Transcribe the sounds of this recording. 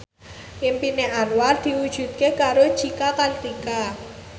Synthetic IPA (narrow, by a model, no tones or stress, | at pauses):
ʔɪmpineʔanward̪̥i̤wud̥ʒ̥ṳt̪̚kekaɾod̥ʒ̥ikakalt̪ika